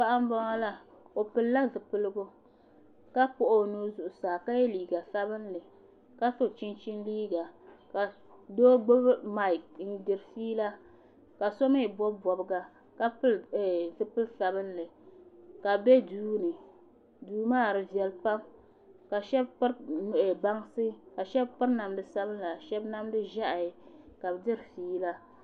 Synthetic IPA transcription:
pa˦ʔa˦m˦ba˦ŋa˦la˦ | o˨pɨ˨lːa˦zɨ˨pɨ˦lɨ˦ɡo˦ | ka˦pʊ˨ʔo˦nuː˦zʊ˨ʔʊ˨saː˨ka˦jɛ˦liː˨ɡa˨sa˦bɨ˦nlɨ˨ | ka˦so˨t͡ʃɪ˦nt͡ʃɪ˦nliː˦ɡa˨ka˨ | doː˦ɡ͡bo˦bma˨ɪ˨k̚n̩˨˦dɪ˨ɾfiː˦la˦ | ka˨so˦me˦˨bɔ˦bbɔ˨bɨ˨˦ɡa˨ | ka˦pɨ˦ltɨ˦pɨ˦lsa˨bɨ˦nlɨ˨ka˨be˦duː˦nɨ˨ | duː˨maː˦˨ɾɨ˨vjɛ˨lpa˦m | ka˨ʃɛ˦bpɨ˦ɾba˦ŋsɨ˦ka˨ʃɛ˦bpɨ˦ɾna˨mdɨ˦sa˦bɨ˦n˦la˨ʃɛ˦bna˦mdɨ˦ʒa˦ʔa˨ɪ˨ka˨bdɨ˦ɾfiː˦la˦

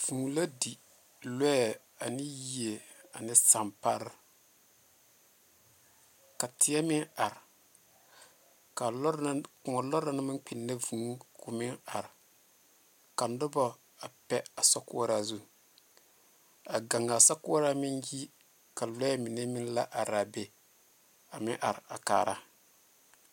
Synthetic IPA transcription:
v̥u˨ŋ˨la˦di˨ | lɛ˦ɛ˨ | a˨nɪ˦ji˨e˨a˨nɪ˦sa˨mpa˦ɾɪ˦ | ka˨tʰɪ˨ɛ˦mɪ˦ŋa˨ɾɪ˨ | ka˨˦kʊ˨ŋɔ˨lɔ˦ɾa˦nɪ˦mɪ˦k͡pi˨nːe˦vu˨˦kʊ˨mɪ˦ŋa˨ɾɪ˨ | ka˨n˦dʊ˦bɔ˦ | a˨pɛ˦a˨sɔ˦kʊ̰˦ɾa˦zu˦ | a˨ɡa˨ŋːa˨sa˦kʊ˦ɾa˦mɪ˦nji˦ | ka˨lɔ˦ɛ˦mi˨ne˦mi˦n˦la˦ʔa˨ɾa˨be˨ | a˨mɪ̰˦ʔa˨ɾa̰˨ka̰ː˨ɾa̰˦

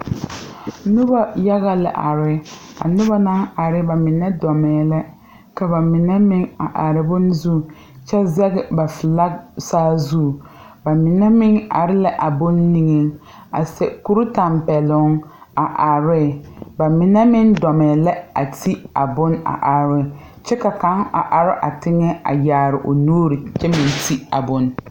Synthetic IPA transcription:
nʊ˦ba˦ja˦ɣa˦la̰˨ʔa̰˨ɾɪ˦a̰˨nʊ˦ba˦na˦ŋa˨ɾɪ˦ba˨mɪ˨nɛ˦dɔ˨mɛː˨la˦ | ka˨ba˨mɪ˨nɛ˦mɪ˦ŋa̰˨ʔa˨ɾɪ˨bʊ˦n˦zu˦˨ | t͡ʃɛ˦zɛ˦ɣɪ˨ba˨fɪ˨la˦ksaː˦zu˦˨ | ba˨mɪ˨nɛ˦mɪ˦ŋa̰˨ɾɪ˦la˦ʔa˨bʊ˦nːi˨ŋɛ˦ŋ | a˨sɛ̰˨ku˦ɾʊ˦ta˨mpɛ˨lʊ˦ŋa˨ʔa˨ɾɪ˦˨ba˨mɪ˨nɛ˦mɪ˦ndɔ˨mɛ˨la˦a˨ti˦a˨bʊ˦na̰˨ʔa˨ɾɪ˦˨ | t͡ʃɛ˦ka˨ka˨˦ŋa̰˨ʔa˨ɾɪ˦ʔa˨tɪ˦ŋɛ˦a̰˨jaː˨ɾɪ˨ʔo˨nuː˦ɾi˨t͡ʃɛ˦mɪ˨nti˦a˨bʊ˦n

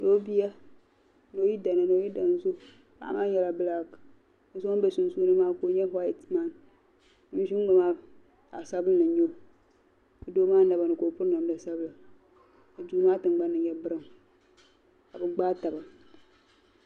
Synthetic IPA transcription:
do˦bi˦a˦ | no˨ji˦da˨na˨no˨˦ji˦da˨n˦zo˦ | ka̰˨maː˦ɲɛ˦la˨bɨ˦la˦k | zu˦a˦n˦bɛ˨su˨n˦su˦nɨ˦maː˦ko˨˦ɲɛ˦ɦa˦ɛ˨tma˦˨n | nɨ˨˦ʃi˦m˦ɡa˨ma˦ | a̰˨sa˦bɨ˦nɨ˨ɲo˦˨ | ɨ˨do˦maː˦na˨ba˨nɨ˨ko˨pʊ˦ɾn˨a˨m˦da˨sa˦bla˨ | a˨d͡ʒu˨˦maː˦tɨ˨ŋɡ͡ba˦nːɨ˨ɲɛ˨bɨ˦ɾɨ˦m | ka˨bɨ˨ɡ͡baː˦ta˨ba˨

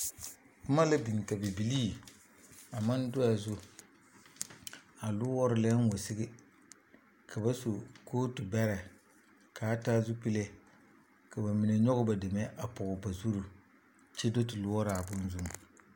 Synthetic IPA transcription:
pʊ˦ma˦la˦bi˨ŋ˨ta˨bi˨bi˨liː˦ | a˨ma˦n˦dʊ˦a˨zʊ˦ | a˨lʊ˦wɔ˦ɾʊ˦lɛ˦n˦wo˨sɪ˦ɡɪ˦ | kʰa˨ba˦so˨koː˦tu˨bɛ˦ɾɛ˨ | kaː˨˦ta˦zu˦pi˦le˦ | ka˨ba˨mi˨ne˨ɲɔ˦ɣʊ˦ba˨dɪ˨mɛ˦ʔa˨pʊ˨ʊ˨ba˨zu˦ɾu˨ | t͡ʃe˦do˦tɪ˨lʊ˦wɔ˦ɾa˨bʊ˦n˦zu˦m˨

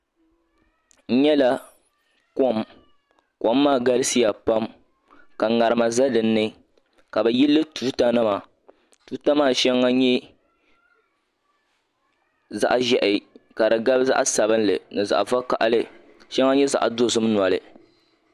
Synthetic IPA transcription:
n̩˦ɲɛ˦la˦ | ko˦m | ko˦mː˦aː˦˨ɡa˦lɪ˦si˦ja˨pa˦m | ka˨ŋa˨ɾɨ˨ma˨za˦dɨ˨nːɨ˦ | ka˨bɨ˨ji˦lːɨ˦tu˦ta˦nɨ˦ma˨ | tu˨˦ta˦maː˦˨ʃɛ˦ŋːa˦ɲɛ˦ | za̰˦ʔʒɛ˨ʔɪ˨ka˨dɨ˨ɡa˦bza̰˦ʔsa˨bɨ˦n˦lɨ̰˨nɨ˨za̰˨ʔva˦ka̰˨ʔa˨lɨ˦ | ʃɛ˦ŋːa˦ɲɛ˦za̰˨ʔdo˦zʊ˦m˦nwa˨lɨ˨

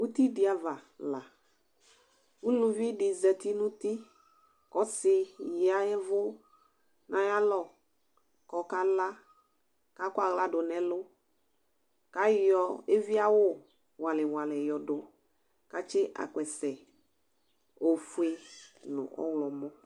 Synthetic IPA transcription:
u˦t̪i˦dɪ˨a˨va˨la˨ | u˦lu˨vi˦dɪ˨zɛ˨t̪i˦nʊ̃˦t̪i˦ | kɔ˦sɪ˦˨ja˦ɛ˦vʊ˦ | nʔã˨ja˦lɔ˨ | kɔ˨ka˦la˦ | ka˦kwa˨ɣla˦dʊ˨nɛ˨lʊ˦ | ka˦jɔ˨e˦vi˦a˦wʊ˦ | wa˨lɪ˨wa˨lɛ˨jɔ˨dʊ˨ | ka˨t͡ʃɪ˦ʔa̰˨kʷɛ˨sɛ˨ | o˨fu˦e˦nʊ̰̃˨ʔɔ̰˦wlɔ˨mɔ˦

